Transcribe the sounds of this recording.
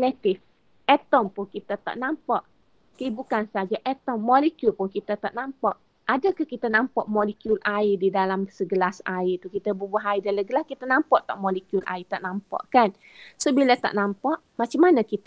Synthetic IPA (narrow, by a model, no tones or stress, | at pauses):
lɛt̪ɪf | ɛt̪ɔmpʊnkit̪ət̪a̰ʔnampaʔ | kəibukansad͡ʒaʔɛt̪ɔmːɔlikjulpʊnkit̪ət̪a̰ʔnampaʔ | ʔadəkəhkit̪anampɔʔmɔlikjulʔaididalamsəɡəlasait̪ukit̪əbəbaɦaidaləɡəlaskit̪ənampɔʔt̪aʔmɔlikjulʔa̰it̪aʔnampa̰ʔkan | sobilat̪a̰ʔnampaʔ | mat͡ʃamanəkit̪